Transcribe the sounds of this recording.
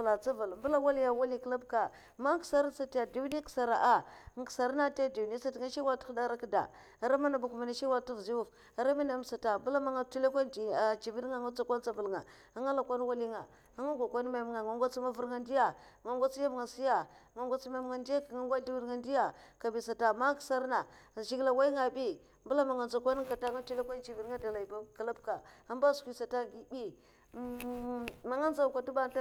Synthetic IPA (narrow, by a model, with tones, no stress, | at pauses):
la˨t͡sa˦va˨lbə˦la˦wa˦li˦ja˨wa˦li˦kla˦b̚ka˨ | ma˦ksa˦ɾa˦sa˨ti˦ja˨di˨˦ni˦ksa˨ɾa˨ʔa˦˨ŋ˦ksa˨ɾa˦na˦ta˦˨di˨ni˦sa˦tŋa˦ʃi˦wa˦ti̥˦xda˦ɾa˦kda̰˨ | a˨ɾa˦ma˦na˨bu˦ku˨ma˨na˦ʃi˦wa˦ti˦vzi˦u˦˨f | a˨ɾa˦ma˦na˨m˦sa˨ta˨bu˦la˦ma˦ŋa˦˨tu˦le˦kʷa˦˨a˨t͡ʃi˨vi˦n˦ŋa˦˨ŋa˦t͡sa˦kʷa˦n˦t͡sa˦və˨lŋa˨ | a˦ŋa˦la˨kʷa˦n˦wa˦li˦ŋa˨ | a˦ŋa˦ɡʷa˨kʷa˦n˦ma˨m˦ŋa˨ŋa˨ŋɡʷa˦t͡si˦ma˦vu˦ɾŋa˨ndi˦ja˨ | ŋa˨ŋɡʷa˦t͡si˦ja˦bŋa˨si˦ja˨ŋa˨ŋɡʷa˦t͡si˦ma˨˦m˦ŋa˨ndi˦ja˦kŋa˦ŋɡʷa˦di˦vi˦ɾŋa˨ndi˦ja˨ka˨bi˨sa˨ta˨ma˦ksa˦ɾna˨ʒi˦ɡla˨wa˦i˦ŋa˨bi˦ | mbu˦la˦ma˨ŋa˨nd͡za˨kʷa˦n˦ka˨ta˦ŋa˦tu˦le˦ka˦n˦t͡ʃi˨vi˨ɾŋa˦da˨la˨ba˦˨ka˨la˦bka˨a˦mba˦skʷi˨sa˨ta˦ɡi˨bi˦ | ma˨ŋa˦nza˨ka˨du˦ba˦a˦